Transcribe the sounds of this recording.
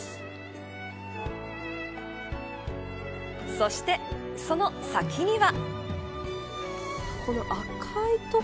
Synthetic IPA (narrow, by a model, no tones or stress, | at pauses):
so̞ɕi̥t̪e̞ | so̞no̞sakʲiɲ̟iβa | ko̞no̞ʔakʰait̪o